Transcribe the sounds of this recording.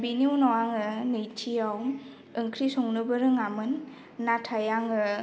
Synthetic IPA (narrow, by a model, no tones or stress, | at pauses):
biniwnɔwaŋɯnɯjt͡ʃʰijaw | ɯŋkʰɾisɔŋnɯbɯɾɯŋamɯnː | atʰajaŋɯ